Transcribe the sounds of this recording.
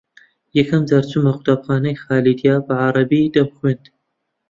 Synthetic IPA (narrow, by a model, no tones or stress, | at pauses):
jɛkʰɐmzaːɾt͡sʰumɐqʊt̪aːbxaːnɐjxaːlid̪jaːbɐʕaɾˤɑbid̪ɐbxwend̪